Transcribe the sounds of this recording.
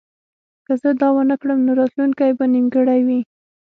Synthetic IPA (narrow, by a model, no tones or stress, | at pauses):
kəzəd̪ɑwanəkɽəmnoɾɑt̪lunkajbanimɡəɽajwi